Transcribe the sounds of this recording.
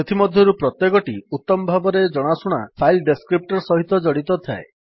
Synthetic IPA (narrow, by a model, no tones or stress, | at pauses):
et̪ʰimɔd̪ʱjɔɾupɾɔt̪jekɔʈiut̪ːɔmɔbʱabɔɾed͡ʒɔɽ̃asuɽ̃apʰajlɖeskɾip̚ʈɔɾsɔɦit̪ɔd͡ʒɔɽit̪ɔt̪ʰa̰e